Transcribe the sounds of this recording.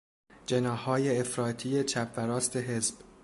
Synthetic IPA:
d͡ʒe̞nɒːhːɒːje̞ːfɾɒːt̪ʰije̞t͡ʃʰæpʰvæɾɒːst̪ʰe̞ɦe̞zb̥

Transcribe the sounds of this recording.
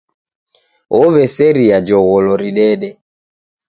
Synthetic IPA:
ɔβɛsɛɾiad͡ʒɔɣɔlɔɾiɗɛɗɛ

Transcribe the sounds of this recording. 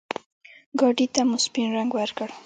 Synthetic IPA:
ɡɑɖit̪amʊspinɾaŋɡwaɾkəɽ

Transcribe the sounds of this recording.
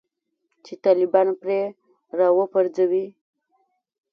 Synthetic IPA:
t͡ʃet̪ɑlɪbɑnopɾe | ɾɑwəpaɾd͡zawi

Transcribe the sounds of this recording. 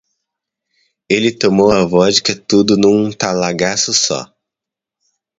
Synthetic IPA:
elɪt̪omowɐvɔzd͡ʒɪkɪt̪ud̪ʊnũt̪alaɡasʊsɔ̰

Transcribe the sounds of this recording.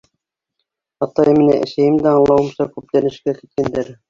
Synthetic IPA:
ɑt̪ːɑjɤminæ̰ʔḛ̆ʃæjɘmd̪æɑɴlˠɑwɤ̆msɑkʉp̚t̪ænɘ̆ʃkæki̥t̪̚kænd̪æɾ

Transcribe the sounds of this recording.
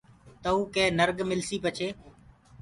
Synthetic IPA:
t̪əũːkẽːnəɾɡmɪlsiːpət͡ʃʰeː

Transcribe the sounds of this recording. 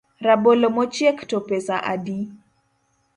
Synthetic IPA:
ɾabolomɔt͡ʃjɛktɔpɛsaʔa̰di

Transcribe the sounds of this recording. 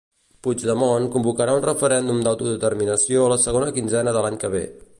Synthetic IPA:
pud͡ʒd̪əmonkumbukəɾaunrəfəɾɛnd̪umd̪awt̪uðət̪ərminəsioələsəɣonəkinzɛnəðəlaɲkəβ̞ḛ

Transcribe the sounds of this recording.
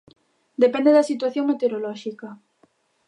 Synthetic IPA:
d̪epɛnd̪eðɐsit̪waθjoŋmet̪eɾolɔʃikɐ

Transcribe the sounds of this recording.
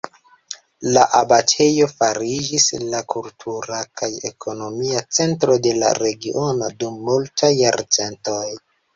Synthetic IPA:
laʔabatʰe̞jo̞faɾid͡ʒislakultʰuɾakʰaje̞̰kʰo̞no̞miat͡se̞ntɾo̞de̞la̰ɾe̞ɡiʔo̞no̞dumːultajːaɾt͡se̞nto̞j

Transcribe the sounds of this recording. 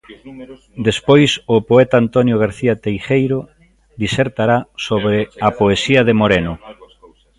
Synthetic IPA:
d̪espojsʊpoɛt̪aːnt̪onjoɣ̞aɾθiat̪ejʃejɾʊ | d̪iseɾt̪aɾasoβɾeapoesiɐðemoɾenʊ

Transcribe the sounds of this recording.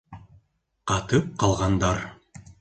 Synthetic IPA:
qɑt̪ɤp̚qʰɑlˠʁɑnd̪ɑɾ

